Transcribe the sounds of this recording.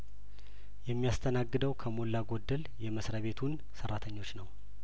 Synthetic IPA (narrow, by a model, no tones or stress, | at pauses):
jɛmːijast̪ʰənaɡːɨd̪əwkʰəmolːaɡo̞d̪ːəl | jɛməsɾəβe̞t̪ʰun | sərːat̪ʰəɲːo̞t͡ʃːnəw